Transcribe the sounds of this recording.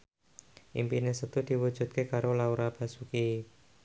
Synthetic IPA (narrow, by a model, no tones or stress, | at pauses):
ʔḭmpinesət̪ud̪̥i̤wu̥d͡ʒ̥ṳt̪̚kekaɾolauɾab̥a̤suki